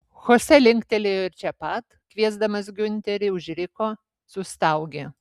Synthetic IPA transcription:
xoːsʲɛlʲɪŋkt̪ʲɛlʲejɪɾʲt͡ʃʲɛpɐt̪kʋʲiɛzd̪ɐmɐsɡʲʊnʲt̪ʲɛɾʲɪʊʒʲɾʲɪkoː | sʊst̪ɐʊɡʲeː

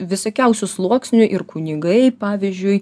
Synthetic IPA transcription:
ʋʲɪsokʲɛʊsʲʊslˠuɔksʲnʲʊʔɪɾkʊnʲɪɡɐɪpɑːʋʲɪzʲd͡ʒʲʊɪ

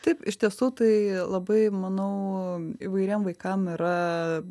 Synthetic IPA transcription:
t̪ɐɪpɪʃʲt̪ʲiɛsuːt̪ɐɪlˠɐbɐɪmɐnɐʊḭʋɐɪɾʲɛːmʋɐɪkɐmɪɾɐ

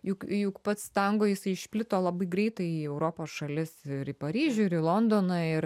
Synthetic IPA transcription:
jʊkjʊkpɐt̪st̪ɐŋɡoːjɪsɐɪɪʃʲpʲlʲɪt̪oːlˠɐbɐɪɡɾʲɛɪt̪ɐɪiɛʊɾoːpoːsʃɐlʲɪsɪɾɪpɐɾʲiːʒʲʊɪɾiːlˠond̪oːnɑɪɾ

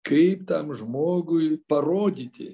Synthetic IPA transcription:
kɐɪpt̪ɐmʒmoːɡʊjpɐɾoːd̪ʲiːt̪ʲɪ̰

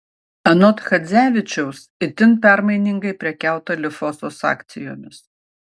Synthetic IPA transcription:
ɐnɔt̪xɐd̪zʲæːʋʲɪt͡ʃʲɛʊsɪt̪ʲɪnpʲæɾmɐɪnʲɪŋɡɐɪpʲɾʲɛkʲæˑʊt̪ɐlʲɪfɔsoːsɑ̰ːkt̪sʲɪjo̰ːmʲɪs

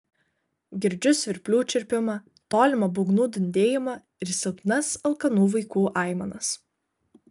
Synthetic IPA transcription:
ɡʲɪɾʲd͡ʒʲʊsʋʲɪɾʲpʲlʲuːt͡ʃʲɪɾʲpʲɪmɐ | t̪oːlʲɪmɐbʊɡnuːd̪ʲɪnʲd̪ʲeːjɪmɐ | ɪɾsʲɛlˠp̪ʲnɐsɐlˠkɐnuːʋɐɪkuːʔɑˑɪmɐnɐs

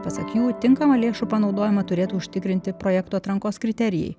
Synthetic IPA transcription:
pɐsɐkʲuːt̪ʲɪŋkɐmɐlʲeːʃupɐnɒʊd̪oːjɪmɐt̪ʊɾʲeːt̪uʊʃʲt̪ʲɪkɾʲɪnʲt̪ʲɪpɾoːjɛːkt̪uːɐt̪ɾɐŋkoːskɾʲɪt̪ʲɛɾʲɪjɛ̰ɪ

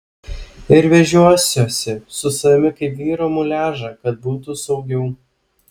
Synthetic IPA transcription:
ɪɾʋʲɛʒʲuɔsʲoːsʲɛsʊsɐmʲɪkɐɪpʋʲiːɾoːmʊlʲæːʒɐkɐt̪̚buːt̪usɒʊɡʲɛʊ

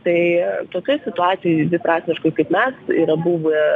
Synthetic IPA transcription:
t̪ɐɪt̪oːkʲoɪsʲɪt̪ʊɑːt̪ʲɪjojd̪ʋʲɪpɾɑːsʲmʲɪʃkoɪkɐɪpmʲɛsiːɾɐbuːʋʊ

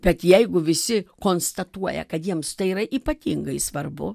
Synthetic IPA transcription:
b̥ʲɛt̪jɛɪɡʊʋʲɪsʲɪkoːnst̪ɐt̪uɔjɛ̰kɐt̪jiɛmst̪ɐɪiːɾɐʔiːpɐt̪ʲiŋɡɐɪsʋɐrbʊ̰

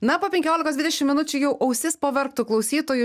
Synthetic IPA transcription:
nɐpoːpʲɛ̃ŋʲkʲoːlʲɪkosd̪ʋʲɪd̪ʲɛʃʲɪmʲɪnʊt͡ʃʲʊjɛʊʔɐʊsʲɪspoːʋʲɛɾk̚t̪ʊklˠɐʊsʲiːt̪oːjʊ

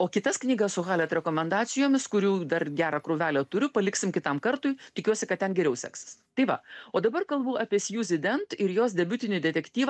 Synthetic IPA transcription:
oːkʲɪt̪ɐsknʲiːɡɐssʊɣɑːlʲɛt̪ɾʲɛkoːmʲɛnd̪ɑːsʲɪjoːmʲɪskʊɾʲuːd̪ɐrɡʲæːɾɑkɾʊːʋʲæːlʲoːt̪ʊɾʲʊpɐlʲɪksʲɪmkʲɪt̪ɐmkɐrt̪ʊːɪt̪ʲɪkʲuɔsʲɪkɐt̪̚tʲɛnɡʲɛɾʲɛʊsʲɛ̰ksɐ̥st̪ɐɪʋɐoːd̪ɐbɐrkɐlˠbuːɑːpʲiɛsʲjuːzʲɪd̪ʲɛnt̪ɪɾjoːsd̪ʲɛbʲʊt̪ʲɪnʲɪd̪ʲɛt̪ʲɛkt̪ʲiːʋɑ

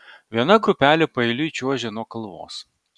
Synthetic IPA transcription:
ʋʲiɛnɐɡɾʊpʲæːlʲepɐɛɪlʲʊit͡ʃʲuɔʒʲɛnoɔkɐlˠʋo̰ːs

